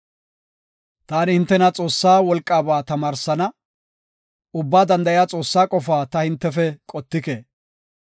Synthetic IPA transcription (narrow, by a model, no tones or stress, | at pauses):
t̪aːnɪhɪnt̪ːɛnɐt͡sʼo̞ːsːaːwɔlkʼːaːbaːt̪ɐmaːɾsɐnɐ | ʊbːaːd̪ɐnd̪ɐjɪjaːt͡sʼo̞ːsːaːkʼɔfaːt̪ɐhɪnt̪ːɛfɛkʼɔt̪ːɪkeː